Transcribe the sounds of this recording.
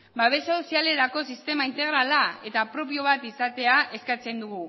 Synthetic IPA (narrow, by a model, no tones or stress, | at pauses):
baβ̞e̞saosiale̞ɾako̞sist̪e̞maint̪e̞ɣ̞ɾalae̞t̪apɾo̞p̬io̞β̞at̪isat̪e̞aʔe̞skat͡se̞nd̪uɣ̞u